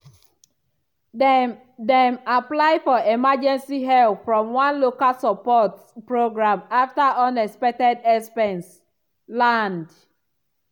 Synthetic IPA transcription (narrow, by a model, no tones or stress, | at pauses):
dɛ̃maplaɪfɔemad͡ʒɛ̃nsiɦɛlpfɹɔ̃mwãnlokalsapɔt | pɹoɡɹãmaftaʔɔ̃nɛspɛk̚tɛdɛspɛ̃ns | lãnd